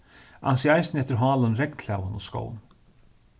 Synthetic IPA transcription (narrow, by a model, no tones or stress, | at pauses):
a̰nsiajsnɛft̪ɪɾɦɑːlanɾɛknʰlaːwanɔ̰sko̰ːwn